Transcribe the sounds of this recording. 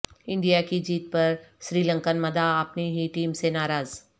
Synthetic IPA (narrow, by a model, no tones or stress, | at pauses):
ɪ̃ɳɖijakid͡ʑiːt̪̚pɐɾsɾiːlə̃ŋkənmɐd̪ʱaəpniɦiʈiːmsenaːɾaːz